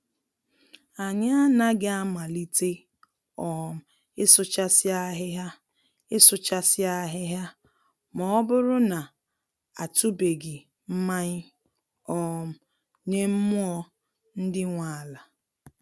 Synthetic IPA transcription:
a˨ɲa˦a˦na˦ɡɪ˦a˦ma˨li˦te˦ | ɔ˨m̩˨ | ɪ˦sʊ˦t͡ʃa˦sɪ˦a˦ɦɪ˦ɦa˦ | ɪ˦sʊ˦t͡ʃa˦sɪ˦a˦ɦɪ˦ɦja˦ | mɔ˨ɔ˦bʊ˦ɾʊ˦na˨ | a˨tu˦be˨ɡɪ˨ | m̩˦ma˦ɲɪ˦ | ɔ˨m̩˨ | ɲe˦m̩˦mʊ˦ɔ˦ | n̩˦dɪ˦ŋʷa˨la˨

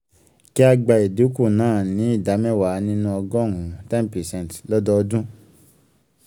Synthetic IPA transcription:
ki˦a˧ɡ͡ba˧e˨du˨˦ku˦˨nãː˦˨nĩ˨˦i˦˨da˨˦mɛ̃˦˨wa˨˦nĩ˦nũ˦ɔ˧ɡɔ˦˨ŋũ˨tɛ˦n˨pɛ˨sɛ̃˦˨tlɔ˦dɔ˦ɔ˧dũ˦

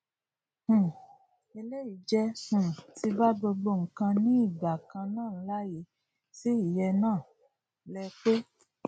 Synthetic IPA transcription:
h̩˨ | e˧le˦i˨˦d͡ʒɛ˧h̩˨ti˧ba˦ɡ͡bo˧ɡ͡bo˧ŋ̩˨kã˧nĩ˦i˦˨ɡ͡ba˨kã˧nãː˦˨˦la˦je˨˧˦ | si˦i˦˨jɛ˧nãː˦˨ | lɛ˧k͡pe˦

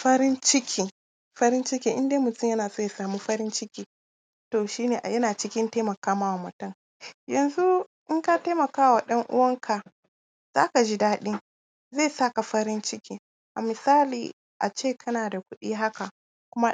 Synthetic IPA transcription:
ɸɐ˦ɾɪ˦nt͡ʃɪ˦kʰʲiː˦ | ɸɐ˦ɾɪ˦nt͡ʃɪ˦kʲiː˦ʔɪ˦ndeː˦mʊ˨tʊ˦ɲjɐ˦naː˨soː˦ja˨saː˨muː˦ɸɐ˦ɾɪ˦nt͡ʃɪ˦kʲiː˦ | toː˨ʃiː˦neː˨ʔjɐ˦naː˨t͡ʃɪ˦kʲɪ˦nteː˦mɐ˨kaː˦maː˦wa˨mɐ˨tɐ˦ŋ | jɐ˨nzu˦ʔɪ˦ŋka˦teː˦mɐ˨kaː˦wa˨ɗɐ˦ŋʔʊ̰˦wɐ˦ŋkʰa˨ | z̥a̰ː˦ka˨d͡ʒiː˦daː˦ɗɪ˦ŋ | zeː˦˨sa˦ka˨ɸɐ˦ɾɪ˦nt͡ʃɪ˦kʲiː˦ | ʔa̰˨mɪ˨saː˦lḭː˨ | ʔa˨t͡ʃeː˦˨kʰɐ˦naː˨da˨kʷʊ˦ɗiː˦ɦa˦ka˨ | kʷʊ˦ma˦

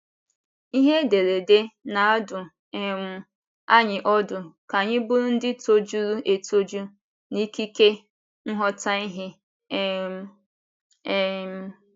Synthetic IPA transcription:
i˦ɦe˦de˨ɾe˨de˦na˨a˦dʊ˨ | e˨m̩˨˦ | a˦ɲɪ˨ʔɔ˦dʊ˨ka˨ɲɪ˦bʊ˦ɾʊ˦n̩˦dɪ˦to˦d͡ʒu˦ɾu˦ʔe˨to˦d͡ʒu˦ | ni˦ki˦ke˦ | n̩˦ɦɔ˦ta˦i˦ɦɪ˦˨˦

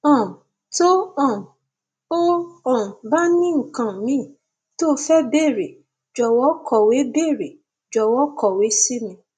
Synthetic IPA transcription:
ɔ̃˦˨m˨ | to˦ɔ˦˨m˨ | o˦ɔ˦˨ba˦nĩ˦ŋ̩˨kã˧˨mĩ˦˨ | to˦˧˦fɛ˦be˦˨ɾe˨ | d͡ʒɔ˨wɔ˦kʰɔ˨we˨˦be˦˨ɾe˨ | d͡ʒɔ˨wɔ˨˦kʰɔ˨we˨˦si˦mĩ˧

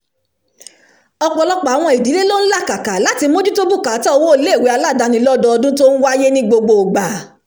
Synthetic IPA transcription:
ɔ˧k͡pɔ˨˧lɔ˦k͡pa˨˦w̃ɔ̃˧˨i˨di˨˦le˦lo˦n̩˦la˦˨ka˨ka˨la˨˦ti˧mo˦d͡ʒu˦to˦bu˦˨ka˨˦ta˦o˧wo˦le˦˨we˨˦a˧la˦˨da˨˧nĩ˧˦lɔ˦dɔ˧ɔ˧dũ˦to˦ñ̩˦wa˦je˦nĩ˦ɡ͡bo˧ɡ͡bo˧˨o˨ɡ͡ba˨

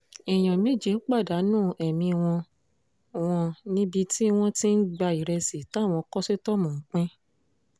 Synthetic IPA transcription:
i˨j̃ɔ̃˨mĩ˦˨d͡ʒe˨˦k͡pa˦˨da˨˦nũː˦˨ʔɛ˨mĩ˧w̃ɔ̃˧ | w̃ɔ̃˧nĩ˦bi˧tʰi˦w̃ɔ̃˦ti˦n̩˦ɡ͡ba˧i˨ɾɛ˧si˨ta˨˦˨w̃ɔ̃˧kɔ˦se˦tɔ˦mɔ̃˨ŋ̩˨˦k͡pɛ̃˦

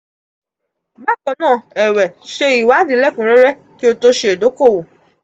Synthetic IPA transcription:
ba˦˨kɔ˨˧nãː˦˨ɛ˨wɛ˨ʃe˧i˨wa˨˦dĩ˨˦lɛ˦˨kũ˨˦ɾɛ˦ɾɛ˦ | ki˦o˧to˦ʃe˧˦e˨do˨˦ko˦˨wo˨

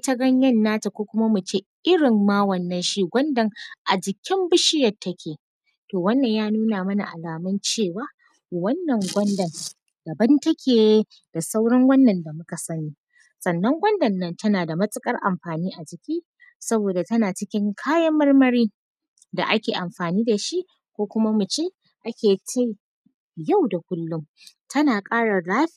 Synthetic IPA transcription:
tɐ˦ɡɐ˦ɲjɐ˦nːaː˦ta˨kʷoː˦kʷʊ˦ma˦mʊ˨t͡ʃeː˦ʔɪ˦ɽɪ˨mːaː˦wɐ˨nːɐ˦nʃi˦ɡʷɐ˦ndɐ˨ŋʔa˨d͡ʒɪ˨kʲɪ˦mbʊ˦ʃɪ˦jɐ˨rtːɐ˦kʲʰeː˨ | toː˨wɐ˦nːɐ˨ɲjaː˦nuː˦naː˨mɐ˦na̰˨ʔa̰˨laː˨mɐ˦nt͡ʃeː˦˨waː˦ | wɐ˦nːɐ˨ŋɡʷɐ˦ndɐ˨n | d̥ɐ˨bɐ˦ntɐ˦kʲʰeː˨j | d̥a˨sa˦wɽɐ˦ŋwɐ˦nːɐ˨nda˨mʊ˦ka˨sɐ˦niː˦ | sʼɐ˨nːɐ˦ŋɡʷɐ˦ndɐ˨nːɐ˦ntɐ˦naː˨da˨mɐ˦sʼɪ˦kʼɐ˦rʔa˨mɸaː˨niː˦ʔa˨t͡ʃɪ˦kʲiː˦ | sɐ˦boː˨da˨tɐ˦naː˨t͡ʃɪ˦kʲɪ˦ŋkʰaː˦jɐ˦mːɐ˦rmɐ˦ɽiː˦ | da̰˨ʔa˦kʲeː˨ʔa˨mɸaː˨niː˦da˨ʃi˦ʔ | kʷoː˦kʷʊ˦ma˦mʊ˨t͡ʃeː˦ | ʔa˦kʲeː˨t͡ʃa˦j | ja˦˨wda˨kʷʊ˦lːʊ˦m | tʰɐ˦naː˨kʼaː˦ɽɐ˨rlaː˦ɸ

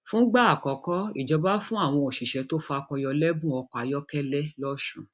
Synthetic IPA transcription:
fũ˦ɡ͡ba˦a˨kɔ˨kɔ˦i˦˨d͡ʒɔ˧˦ba˦fũ˦a˦˨w̃ɔ̃˧o˨ʃi˨ʃɛ˨˧˦to˦fa˧kɔ˧jɔ˧lɛ˦bũ˦ɔ˧ka˨jɔ˦kɛ˦lɛ˦lɔ˦ʃũ˧

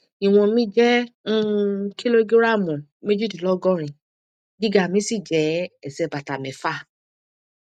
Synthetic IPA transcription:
i˨w̃ɔ̃˧mĩ˦d͡ʒɛ̃˦ | kʰi˦lo˦ɡe˦ɾa˦˨mɔ̃˨me˦d͡ʒu˦˨di˨lɔ˦ɡɔ˦ɾ̃ĩ˧ | ɡi˦ɡa˦˨mĩ˨˦si˦˨d͡ʒɛ˨˦ɛ˨sɛ˧ba˨ta˨mɛ̃˨˦fa˦˨

